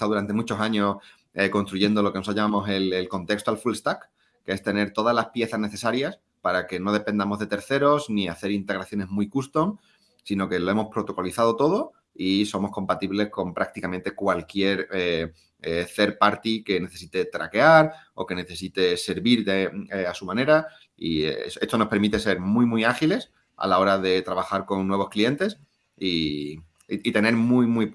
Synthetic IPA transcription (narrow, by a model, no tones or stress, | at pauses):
t̪awðuɾant̪e̞mut͡ʃo̞saɲo̞s | eko̞nst̪ɾuʝe̞nd̪o̞loke̞nosaʎamamo̞se̞lelko̞nt̪e̞kst̪oalfulst̪ak | kːeest̪e̞ne̞ɾt̪o̞ð̞azlaspje̞θazne̞θe̞saɾjas | paɾake̞no̞ð̞e̞pe̞nd̪amo̞zðe̞t̪e̞ɾθe̞ɾo̞zniaθe̞ɾint̪e̞ɣ̞ɾaθjo̞ne̞zmujkust̪o̞ŋ | sino̞ke̞lo̞e̞mo̞spɾo̞t̪o̞ko̞liθað̞o̞t̪o̞ð̞o̞ | iso̞mo̞sko̞mpat̪iβle̞hko̞mpɾak̚t̪ikamẽnt̪e̞kwalkje̞ɾe | eθe̞ɾpaɾt̪ike̞neθe̞sit̪e̞t̪ɾake̞aɾo̞̰ke̞ne̞θe̞sit̪e̞se̞ɾβiɾðeeasumãne̞ɾa | ḭese̞st̪ono̞spe̞ɾmit̪e̞se̞ɾmuimwiaxile̞s | a̰lao̞ɾaðe̞t̪ɾaβaxaɾko̞ŋnːwe̞β̞o̞sklie̞nt̪e̞s | i | it̪e̞ne̞ɾmujmwi